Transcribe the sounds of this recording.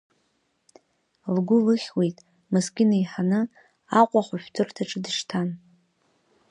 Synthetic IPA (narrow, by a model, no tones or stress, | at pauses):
lɡʷʊlɨχʲwejtʼ | mɨskʲɪnajħanɨ | aqʷʼaχʷaʃʷᶣtʰɨrtʰaʈ͡ʂʼɨdɨʂtʰan